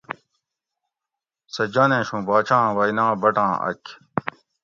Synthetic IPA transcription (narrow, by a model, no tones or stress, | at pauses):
sɐd͡ʑanẽːɕũːbaːt͡ɕʰãːwɐinãːbɐʈãːɐ̰kʰ